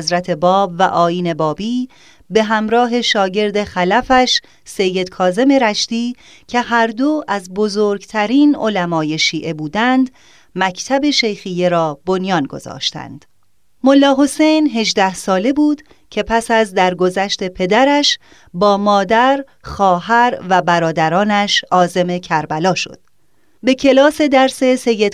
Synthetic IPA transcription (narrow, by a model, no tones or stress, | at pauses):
zɾæt̪ʰe̞bɒːbvæʔɒːiːne̞bɒːbiː | be̞ɦæmɾɒːɦe̞ʃɒːɟe̞ɾd̪e̞xælæfæʃ | se̞jːe̞d̪̥kʰɒːze̞me̞ɾæʃt̪iː | cʰe̞hæɾd̪o̞ʔæzbo̞zoːɾɡt̪ʰæɾiːnolæmɒːje̞ʃiːʔe̞buːd̪ænd̪ | mæcʰt̪ʰæbe̞ʃe̞jxije̞ɾɒːbo̞njɒːnɡo̞̰zɒ̰ːʃt̪æ̰nd̪̥ | mo̞lːɒːɦo̞se̞jnɦe̞ʒd̪æhsɒːle̞buːd̪̥ | cʰe̞pʰæsæzd̪æɾɡo̞zæʃt̪e̞pʰe̞d̪æɾæʃ | bɒːmɒːd̪æɾ | xɒːɦæɾvæbæɾɒːd̪æɾɒːnæʃɒːze̞mecʰæɾbælɒːʃo̞̰d̪̥ | be̞kcʰe̞lɒːse̞d̪æɾse̞se̞jːe̞d̪